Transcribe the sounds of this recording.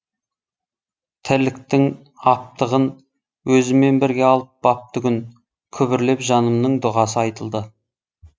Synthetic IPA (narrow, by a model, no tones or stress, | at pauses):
t̪ʰɪlɪk̚t̪ɪŋ | ɑp̚t̪əʁən | wɵzɪme̞nbɪɾɡʲeɑlˠəp̚bɑp̚t̪ʰʏɡʲɪn | kʲʰʏbɪɾle̞pʒɑnəmnəɴd̪ʊʁɑs̬əɑjt̪əlˠd̪ə